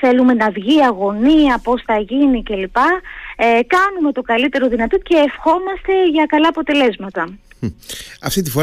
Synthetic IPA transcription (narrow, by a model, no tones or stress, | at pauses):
θe̞lume̞nɐvʝiɐɣo̞niɐpo̞sθɐʝinice̞lipɐ | kɐnume̞t̪o̞kɐlit̪e̞ɾo̞ðinɐt̪o̞ce̞ːfxo̞mɐst̪e̞ʝɐkɐlɐːpo̞t̪e̞le̞zmɐt̪ɐ | ɐ̰ft̪it̪ifo̞